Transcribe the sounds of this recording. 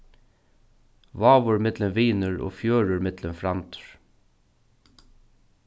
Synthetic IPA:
ʋɑːʋʊɹɪmɪd̪lənʋiːnəɹo̰ːfjøːɹəɹɪmɪd̪̥lənfɾɑmt̪ʰɹ

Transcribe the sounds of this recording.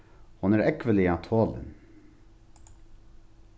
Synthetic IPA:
hʊnæːɾɛkʋəlɪɑt̪ʰoːlə̰n

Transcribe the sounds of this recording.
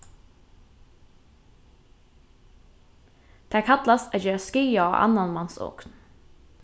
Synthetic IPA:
d̪̥eeæːkʰɑt̪lɑsæjøːskʏːɑʔɑ̰nɑnmɑnso̰ːkn

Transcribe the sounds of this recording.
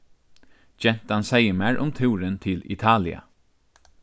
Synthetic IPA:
d͡ʒɛn̥t̪ansɛjəmæːɹʔʊmt̪ʰɪwɾənt̪ʰɪlɪ̰t̪ʰɑːlɪa̰

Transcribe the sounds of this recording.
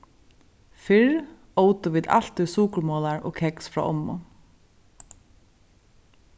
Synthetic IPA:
fɪɹ | oːwt̪əʋiːd̪a̰l̥t̪ʏsuːkɹmɔːlaɹɔ̰ːkʰɛksfɹɔ̰ːʔɔmːʊ̰

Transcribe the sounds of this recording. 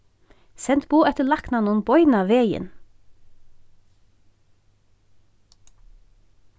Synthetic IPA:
sɛnt̪buːɛt̪əlɑknɑnʊnbɔʏnɑʋeːjə̰n

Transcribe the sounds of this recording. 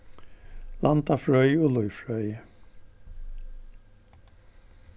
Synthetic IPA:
lant̪afɹœʏɔlʊʏfɹœʏjə

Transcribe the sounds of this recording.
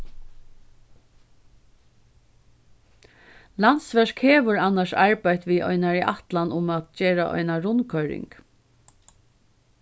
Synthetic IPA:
lant̪sʋɛʂkheːʋəɹanːaʂaɹpajt̪ʋiːʔɔ̰ʏnaɹiʔa̰ht̪lanʊmat̪t͡ʃeːɹaʔɔ̰ʏnaɾʊnkʰœʏɾɪ̰ŋk

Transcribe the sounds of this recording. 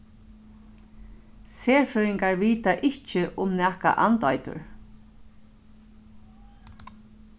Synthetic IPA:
seːɹfʏɾɪŋkaɹviːt̪aʔɪht͡ʃɪʔʊmnɛːhka̰ʔant̪ɔjt̪ʊ̰ɹ

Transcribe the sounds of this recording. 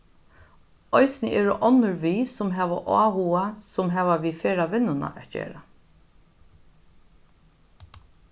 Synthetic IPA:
ɔjsɪnəʔɛːɾʊʔɔnːʊɹʋiːsʊmɦɛːʋaʔɑ̰ːhuasʊmɦɛːʋaʋifɛːɾaʋɪnːʊna̰ʔæt̪̚d͡ʒḛːɾa

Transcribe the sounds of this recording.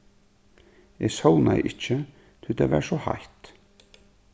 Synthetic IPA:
ɛsownaj̰ʔɪt͡ʃːɪ | t̪ʰʏt̪ʰavɛ̰ɾsɔha̰jht̪

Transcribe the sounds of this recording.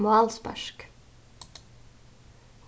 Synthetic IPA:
mʊɑːlspæ̰ʃk

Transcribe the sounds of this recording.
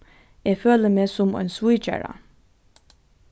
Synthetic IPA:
æføːləmeːsɔmɔ̰nswit͡ʃɛ̰ɹɐ̰

